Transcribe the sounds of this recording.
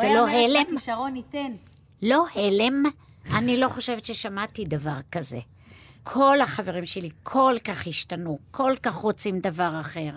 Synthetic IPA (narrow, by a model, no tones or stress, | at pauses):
velo̞ɦelemʃaʁonit̪en | lo̞helem | ʔanilo̞χo̞ʃevet̪ʃe̞ʃamatid̪avaʁkaze̞̰ | kʰo̞laχave̞ʁimʃe̞likʰo̞lkaχhiʃtanukʰo̞lkaχʁo̞t͡simd̪avaʁaχe̞ʁ